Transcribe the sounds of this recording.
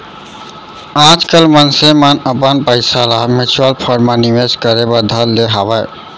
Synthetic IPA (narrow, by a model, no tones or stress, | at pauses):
ãd͡ʒkəlmənsemanəpənpəɪsalamit͡ʃʰuəlpʰəɾmanimeskəɾebəd̪ʱəlːeɦabəj